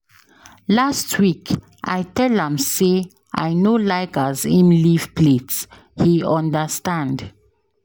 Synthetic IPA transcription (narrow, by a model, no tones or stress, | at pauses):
lastʰwik | ʔa̰jtɛlə̃mse | ʔa̰jnolaɪɡəzĩnlivpʰlets | hiɔ̃ndəstãnd